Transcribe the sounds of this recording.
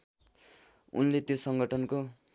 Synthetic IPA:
ṵnlet̪josʌŋɡʌʈʰʌnko

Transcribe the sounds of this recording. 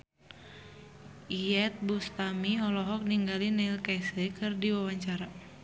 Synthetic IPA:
iɛt̪̚bust̪amiɦɔlɔɦɔk̚niŋɡalinailkajsɛkɨrdiwawaɲt͡ʃaɾa

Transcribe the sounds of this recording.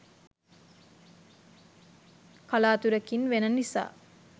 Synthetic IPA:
kalaːt̪uɾɐkinʋenənːisa̰ː

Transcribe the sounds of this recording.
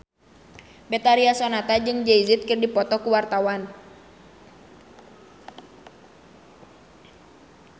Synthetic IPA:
bɛt̪aɾiasɔnat̪ad͡ʒɨŋd͡ʒɛizɪt̪̚kɨrdipɔt̪ɔkuwart̪awan

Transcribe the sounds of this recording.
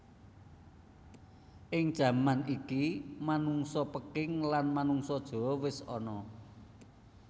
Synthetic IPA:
ʔɪŋd̥ʒ̥ä̤manikimanuŋsɔpəkɪŋlanmanuŋsɔd̥ʒ̥ɔ̤wɪsɔ̰nɔ

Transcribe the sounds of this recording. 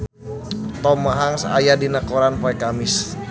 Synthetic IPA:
t̪ɔmaɦaŋsa̰jadinakoɾanpaɛkamɪs

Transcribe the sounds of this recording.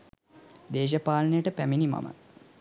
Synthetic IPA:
d̪eːʃ̬əpaːlənəjəʈəpæminima̰mə̰

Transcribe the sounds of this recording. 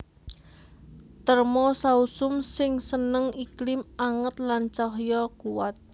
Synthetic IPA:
t̪ərmɔsausʊmsɪŋsənəŋiklɪmaŋət̪̚lant͡ʃɔɦjɔkuwat̪̚

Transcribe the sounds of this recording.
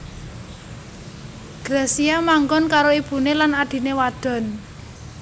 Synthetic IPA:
ɡ̥ɾesiamaŋɡɔnkaɾoib̥ṳnelanaɖ̪̥i̤newad̥ɔ̤n

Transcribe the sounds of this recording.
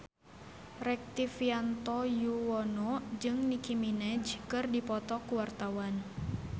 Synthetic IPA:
rɛk̚t̪ifiant̪ɔjuwɔnɔd͡ʒɨŋnikiminɛd͡ʒkɨrdipɔt̪ɔkuwart̪awan

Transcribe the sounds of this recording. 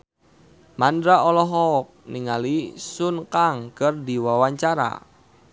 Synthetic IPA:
mandɾaɔlɔɦɔk̚niŋalisʊnkaŋkərdiwawaɲt͡ʃaɾa̰

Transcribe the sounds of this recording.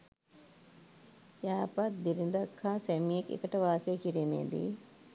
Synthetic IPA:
jaːpɐt̪̚d̪iɾind̪ɐkʰːãːsemiekḛkɐʈɐʋaːsekiɾemḛːd̪ḭ

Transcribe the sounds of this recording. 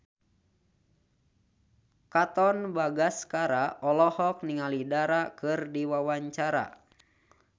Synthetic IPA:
kat̪ɔnbaɡaskaɾaʔɔlɔhɔk̚niŋalidaɾakɨrdiwawaɲt͡ʃaɾa̰

